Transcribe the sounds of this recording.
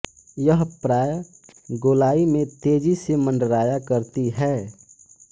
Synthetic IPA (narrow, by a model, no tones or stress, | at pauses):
jəɦpɾaːj | ɡoːlaːimẽt̪eːd͡ʒisemə̃ɳɖəɾaːjakəɾt̪iɦɛː